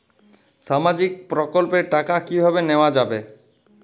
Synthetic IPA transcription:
ʃamad͡ʑik̚pɾokolpeɾʈakakibʱabeneoad͡ʑabe

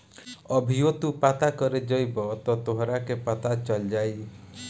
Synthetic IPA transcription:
ɔbʱiot̪upat̪akɔɾed͡ʒɔjbɔt̪ɔt̪oɦɾakepat̪at͡ʃɔld͡ʒaj

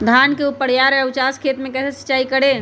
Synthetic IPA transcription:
d̪ʱankeupəɽjaɾut͡ʃaskʰet̪mekɛsesi̥t͡ʃaikəɽe

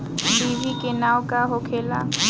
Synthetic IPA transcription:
bibʱikenaːwkaɦokʰeːla̰

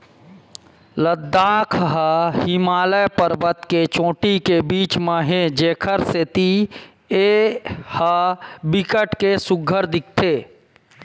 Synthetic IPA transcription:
ləd̪ːaːkʰɦəhɪmaːləjpəɾbət̪ket͡ʃõːʈikebiːt͡ʃməɦẽd͡ʒeːkʰəɾset̪i | ehəbɪkəʈkesʊɡʱəɾd̪ɪk̚ʰt̪ʰeː

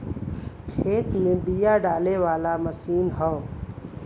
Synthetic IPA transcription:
kʰeːt̪mẽbijaɖaːleʋaːlamɐsiːnɦɔː

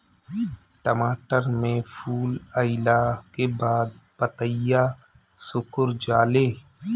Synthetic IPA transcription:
ʈəmaːʈəɾmẽpʰuːləɪlakebaːd̪̚ | pət̪əja | sʊkʊɾd͡ʒaːleː

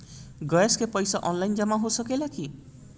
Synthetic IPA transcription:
ɡʌjeskepʌjsaʔʌnlajnd͡zamaɦosʌkelaki

